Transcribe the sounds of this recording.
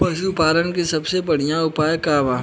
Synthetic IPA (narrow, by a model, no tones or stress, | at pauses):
pɐʃupaːɾənkesɐbsebɐɽ̤ijãʊpaːjkaːʋaː